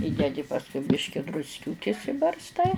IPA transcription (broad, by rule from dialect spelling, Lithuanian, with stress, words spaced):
ˈiːdʲɛdʲɪ pɐsˈkʊɪ ˈbʲɪʃʲkʲɪ drʊsʲˈkʲuːkʲɪs ɪbɐrsˈtɐɪ